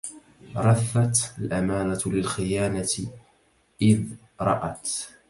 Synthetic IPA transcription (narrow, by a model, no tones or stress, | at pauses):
ɾˤɑθːat̪alʔamaːnalɪlxɪjaːnat̪ | ʔɪð | ɾˤɑʔat̪